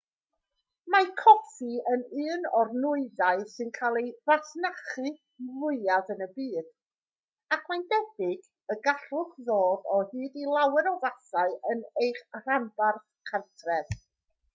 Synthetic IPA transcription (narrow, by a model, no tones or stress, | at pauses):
makʰɔtiənɨːnɔrnʊɨðaɨsɨnkʰalˠevatnaχɨ | lʊɨaðənəbiːð̥ | akʰmajndɛbɪɡ | əɡaɬʊχðoːðɔhɨːdilˠawɛɾɔðasaɨʔənejχr̥anbarθkʰantʰrɛd̥